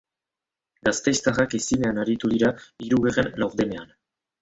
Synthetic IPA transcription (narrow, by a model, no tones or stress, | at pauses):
ɡast̪est̪arakesine̞anaɾit̪uðiɾaiɾuɣerenlawɾdene̞an